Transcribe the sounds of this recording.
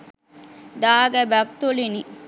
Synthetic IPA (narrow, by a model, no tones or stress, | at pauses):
d̪aːɡæbækt̪ulini